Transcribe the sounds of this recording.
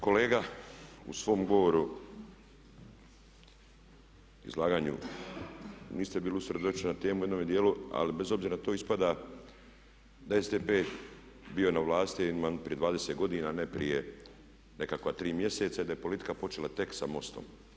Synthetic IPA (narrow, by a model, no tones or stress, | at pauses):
ko̞le̞ːɡaṵsʋo̞ːmɡo̞ʋoɾu | ḭzlˠaːɡaːɲṵ | niːst̪ebiːliusɾe̞d̪ot͡ʃnat̪e̞ːmujenomed̪ijeːlua̰libe̞zo̞bziːɾanat̪o̞ːispad̪a | d̪aezd̪eːpeː | bionaʋlaːst̪imanpɾijd̪ʋaːd̪e̞set̪ɡo̞d̪inaːnepɾḭje | ne̞kakʋat̪ɾiːmje̞se̞t̪said̪ajepo̞lit̪i̥kapo̞t͡ʃelat̪e̞ksamo̞st̪o̞̰m